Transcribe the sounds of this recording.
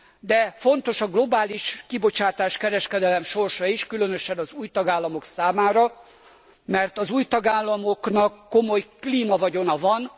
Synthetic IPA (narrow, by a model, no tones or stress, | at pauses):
d̪ɛfo̞nt̪o̞ʃɒɡlo̞baːliʃkibo̞t͡ʃaːt̪aːʃkɛɾɛʃkɛd̪ɛlɛmʃo̞rʃɒiʃkylønøʃɛnɒzuːjt̪ɒɡaːlːɒmo̞ksaːmaːɾɒ | mɛrt̪ɒzuːjt̪ɒɡaːlːɒmo̞knɒkːo̞mo̞jkliːmɒvɒɟo̞nɒvɒn